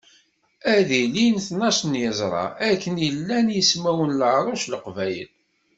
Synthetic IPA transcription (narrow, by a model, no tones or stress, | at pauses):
æðilinθnæsnjəzˤɾˤɑ̰ækːənjəlːænjəsmæwənləʕɾˤɑʃləqvæjə̰l